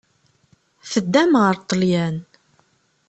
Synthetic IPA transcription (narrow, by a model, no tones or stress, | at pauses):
θəd̪ːæmʁəɾt̪ˤːəljæn